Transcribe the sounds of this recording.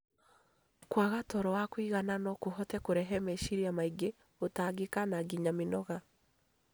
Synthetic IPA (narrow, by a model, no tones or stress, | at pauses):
kwaɣatɔɾɔwakwiɣananɔkoɦɔtɛkoɾɛɦɛmɛʃiɾiamaiɡe | otaɡekanaɡiɲamenɔɣa